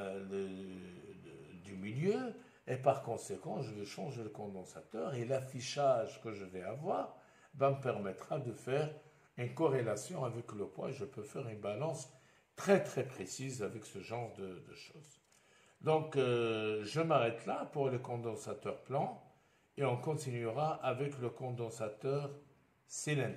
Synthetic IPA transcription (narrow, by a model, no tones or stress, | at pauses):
lə | d̪ymiljø | epaʁkɔ̃sekɑ̃ʒəvɛʃɑ̃ʒeləkɔ̃d̪ɑ̃sat̪œːʁelafiʃaʒkəʒəvɛavwaːʁ | vaməpɛʁmɛt̪χad̪əfɛʁ | ynkɔʁelasjɔ̃avɛkləpwã̰eʒəpøfɛʁynbalɑ̃s | t̪χɛt̪χɛpχesizavɛksəʒɑ̃ʁd̪əd̪əʃoːz | d̪ɔ̃k | ʒəmaʁɛt̪lapuʁləkɔ̃d̪ɑ̃sat̪œʁplɑ̃ | eɔ̃kɔ̃t̪inyʁaʔavɛkləkɔ̃d̪ɑ̃sat̪œːʁ | selɛ̃